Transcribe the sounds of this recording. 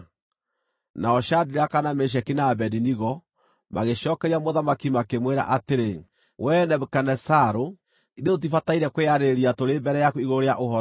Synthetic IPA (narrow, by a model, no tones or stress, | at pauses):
naɔʃadiɾakanameʃ̬ɛkinaːbɛdiniɣɔ | ma̰ɣeʃɔkɛɾiamoðamakimakemweɾa̰ʔateɾe | wʔɛnɛβekanɛsaɾo | iðeot̬ifataiɾɛkweeaɾeɾiatoɾembɛɾɛjakoiɣoɾeaʔohɔɾ